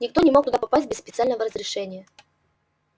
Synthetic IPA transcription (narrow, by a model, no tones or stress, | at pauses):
nʲɪk̚t̪o̞nʲɪmo̞k̚t̪ʊd̪apɐpasʲt̚ʲbʲɪspʲɪt̪sɨalʲnəvəɾəzɾʲɪʂɛnʲɪjə